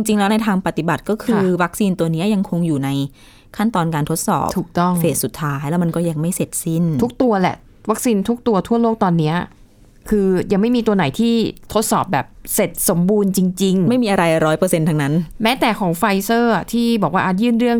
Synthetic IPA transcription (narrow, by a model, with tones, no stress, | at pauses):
t͡ɕi˧ŋt͡ɕi˧ŋlɛː˦˥wna˧jt̪ʰaː˧ŋpa˨˩t̪i˨˩ba˨˩t̪̚kɔː˥˩kʰɯː˧wa˦˥k̚siː˧nt̪u˧ɐni˦˥ɐja˧ŋkʰo˧ŋjuː˨˩na˧j | kʰa˥˩nt̪ɔː˧nkaː˧nt̪ʰo˦˥t̪̚sɔ̰ː˨˩p̚tʰuː˨˩k̚t̪ɔ˥˩ŋfeː˨˩t̚su˨˩t̪ʰːaː˦˥jlɛː˦˥wma˧nkɔː˥˩jaː˧˩ŋma˥˩jse˨˩t̪̚si˥˩nt̪ʰu˦˥k̚t̪u˧ɐlɛ̰˨˩ʔ | wa˦˥k̚siː˧nt̪ʰu˦˥k̚t̪u˧ɐt̪ʰu˥˩ɐloː˥˩k̚t̪ɔː˧nːi˦˥ɐ | kʰɯː˧ja˧ŋma˥˩jmiː˧t̪u˧ɐna˩˦jt̪ʰiː˥˩t̪ʰo˦˥t̪̚sɔː˨˩p̚bɛː˨˩p̚se˨˩t̪̚so˨˩˦mbuː˧nt͡ɕi˧ŋt͡ɕi˧ŋma˥˩jmiː˧ʔa˧ɾa˧jɾɔː˦˥jpɤː˧se˧nt̪ʰa˧ŋna˦˥nmɛː˦˥t̪ɛː˨˩kʰɔː˩˦ŋfa˧jsɤː˥˩ʔa˨˩t̪ʰiː˥˩bɔː˨˩k̚waː˥˩ʔaː˨˩jɯː˥˩nɾɯ˥˩əŋ